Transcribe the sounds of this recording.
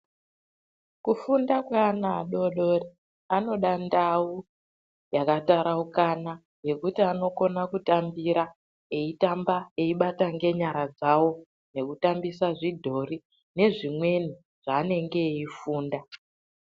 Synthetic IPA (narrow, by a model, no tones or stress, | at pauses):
kufundakweanaːɗo̞ɗori | ano̞ɗandau | jakataɾaukana | je̞kutiano̞ko̞nakutambiɾa | e̞itambae̞iɓataŋɡe̞ɲaɾad͡zawo̞ | ne̞kutambisaʐidʱo̞ɾi | ne̞ʐimwe̞ni | ʐ̥aːne̞ŋɡe̞ifuːnda